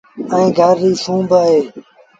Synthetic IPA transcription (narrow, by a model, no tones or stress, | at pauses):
ə̃ĩːɡʱəɾːiːsũːbəɦeː